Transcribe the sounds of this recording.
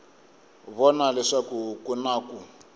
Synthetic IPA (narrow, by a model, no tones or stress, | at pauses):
βɔnalɛʂakukunaːku